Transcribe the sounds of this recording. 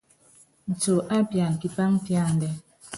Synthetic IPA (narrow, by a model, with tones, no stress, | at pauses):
n̩˨to˨ʔa˦pja˨ŋ̩˨ki˨pa˦ŋ˦pja˦˨n̩˨dɛ˨